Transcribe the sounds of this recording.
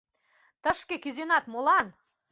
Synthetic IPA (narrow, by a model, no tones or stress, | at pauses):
t̪ə̆ʃkĕkʲyzenɑt̪molˠɑn